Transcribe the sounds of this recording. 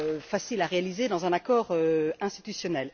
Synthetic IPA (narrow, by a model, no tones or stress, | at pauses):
fasilaʁealized̪ɑ̃zɛ̃nakɔːʁøɛ̃st̪it̪ysjɔnɛl